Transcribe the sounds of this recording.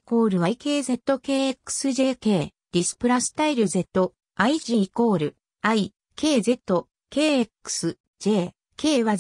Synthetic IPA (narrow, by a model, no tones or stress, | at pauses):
ko̞ːɾɯ̟βaike̞ːze̞t̪ːo̞ke̞ːekːɯ̥sɨʑe̞ːke̞ːd̪̥ʲisɨ̥pɯ̟ɾasɨ̥t̪aiɾɯ̟ze̞t̪ːo̞ | aiʑiko̞ːɾɯ̟ | ai | ke̞ːze̞t̪ːo̞ | ke̞ːekːɯ̥sɨ | d͡ʑe̞ː | ke̞ːβa